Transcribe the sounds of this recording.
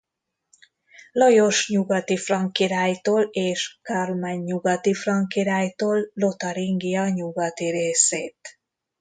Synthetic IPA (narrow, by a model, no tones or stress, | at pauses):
lɒjo̞ʃɲuɡɒt̪ifrɒŋkiɾaːjt̪oːleːʃkalmaɲːuɡɒt̪ifrɒŋkiɾaːjt̪oːlːo̞t̪ɒɾiŋɡijɒɲuɡɒt̪iɾeːseːt̪